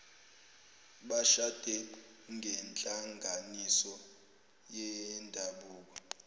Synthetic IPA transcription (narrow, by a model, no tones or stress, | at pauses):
ɓaʃad̥ʱɛŋɡʱɛnt͡ɬʼaŋɡʱanisɔ | jɛndʱaɓuːk̬ɔ